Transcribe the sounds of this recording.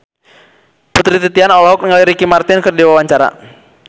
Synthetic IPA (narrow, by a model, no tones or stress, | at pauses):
put̪ɾit̪it̪ianɔlɔɦɔk̚niŋaliɾikimart̪ɪnkərdiwawaɲt͡ʃaɾa̰